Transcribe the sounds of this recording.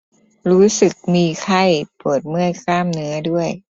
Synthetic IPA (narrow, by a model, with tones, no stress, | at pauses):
ɾuː˦˥sɯ˨˩k̚miː˧kʰa˥˩jpɤ˨˩t̪̚mɯ˥˩əjkʰlaː˥˩mnɯ˦˥ɐdu˥˩əj